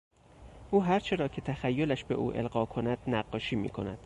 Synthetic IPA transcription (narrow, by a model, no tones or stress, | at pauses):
ʔuːɦæɾt͡ʃʰe̞ɾɒːcʰe̞t̪ʰæxæjːolæʃbe̞̰ʔṵːʔelɢɒːkʰo̞næd̪̥næɢːɒːʃiːmḭːkʰo̞næ̰d̪̥